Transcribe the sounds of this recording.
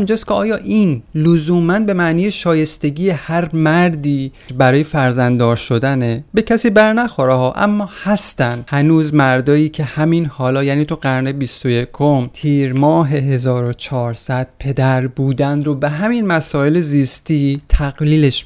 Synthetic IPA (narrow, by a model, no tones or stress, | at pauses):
minːd͡ʒɒst̪kʰʲeɒːjɒːʔiːnlozuːmænbe̞mæʔniːjeʃɒːje̞st̪e̞ɟiːjehæɾmæɾd̪iː | bæɾɒːje̞fæɾzænd̪ɒːɾʃo̞d̪ænebe̞cʰæsiːbæɾnæxoɾehɒːʔæ̰mːɒːhæst̪ænd̪hænuːzmæɾd̪ɒːjiːcʰe̞hæminhɒːlɒːjæːniːt̪ʰuɢæɾnebist̪o̞je̞kʰo̞mt̪ʰiːɾmɒːɦe̞ɦe̞zɒːɾo̞t͡ʃʰɒːɾsæd̪̥̚pʰe̞d̪æɾbuːd̪ænɾobeɦæminmæsɒːe̞leziːst̪iːt̪ʰæɣliːle̞ʃ